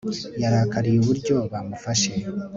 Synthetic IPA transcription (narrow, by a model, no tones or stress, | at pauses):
jaɾaːkaɾijuβuɾɟo̞βamufaʃe̞